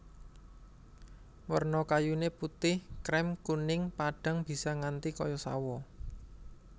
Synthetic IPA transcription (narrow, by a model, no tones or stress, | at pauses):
wərnɔkajuneput̪ɪhkɾɛmkunɪŋpaɖ̥a̤ŋb̥i̤saŋant̪ikɔjɔsa̰wɔ